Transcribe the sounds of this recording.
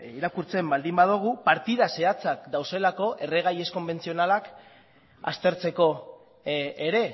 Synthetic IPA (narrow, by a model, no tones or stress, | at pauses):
iɾakuɾt͡se̞mbald̪imbað̞uɣ̞upaɾt̪iðase̞at͡sakd̪awse̞lako̞ʔe̞re̞ɣ̞aje̞sko̞mbe̞nt͡sio̞nalak | a̰st̪e̞ɾt͡se̞ko̞ː | ɾe̞